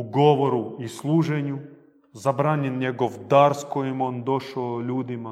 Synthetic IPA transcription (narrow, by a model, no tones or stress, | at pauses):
uɡɔʋɔɾuislˠuʒɛnʲu | zabɾanʲɛnjʲɛɡɔwd̪arskojimond̪ɔʃolʲud̪ɪma